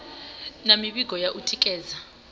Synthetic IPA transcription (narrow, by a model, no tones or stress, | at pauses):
namiɓiɡʱɔjaʔutʰikʼɛːza